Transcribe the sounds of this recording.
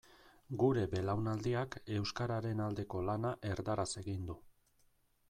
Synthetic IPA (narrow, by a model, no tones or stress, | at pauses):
ɡuɾe̞be̞lawnald̪iake̞wskaɾaɾe̞nald̪e̞ko̞lanaʔe̞ɾd̪aɾase̞ɣind̪u